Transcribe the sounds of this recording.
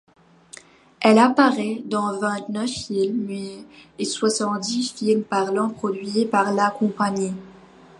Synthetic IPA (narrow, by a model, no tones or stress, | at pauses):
ɛlapaʁɛd̪ɑ̃vɛ̃t̪nœfilmɛeswasɑ̃t̪̚d̪ifilmpaʁlɑ̃pχɔd̪ɥiepaʁlakɔ̃paɲi